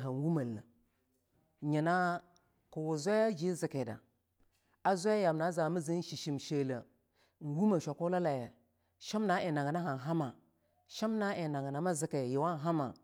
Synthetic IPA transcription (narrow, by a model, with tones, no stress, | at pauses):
ɦa˨n˨wu˦ma˨lːa˨ | ɲi˨na˦ | ku˨wu˨zʷa˦a˦d͡ʒi˦zi˨ke˨da̰˨ | a˦zʷa˦ja˦ja˨mna˨˦za˨mə˦zi˦n˦ʃi˨ʃi˨mʃe˨lə˨ | n˨wu˦ma˨ʃʷa˨ku˦la˦la˨ja˨ | ʃi˦mna˦ʔi˨na˨ŋ˨na˦ɦa˨n˨ɦa˦ma˨ | ʃi˦mna˦e˨na˨ŋ˨na˨˦ma˦zi˦ke˨ji˨wa˦n˨ɦa˦ma˨